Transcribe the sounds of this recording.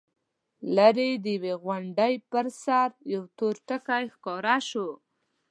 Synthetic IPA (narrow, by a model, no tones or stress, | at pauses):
laɾed̪əjweɣwaɳɖəjpəɾsaɾjawt̪oɾʈəkajxkɑɾaʃu